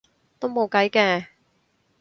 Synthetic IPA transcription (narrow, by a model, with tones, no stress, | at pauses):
t̪o˥wmo˨˧wkɐ˨˥jkɛː˧